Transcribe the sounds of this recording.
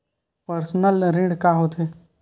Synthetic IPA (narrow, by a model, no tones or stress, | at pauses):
pəɾsnəlɾĩɖkaːɦoːt̪ʰeː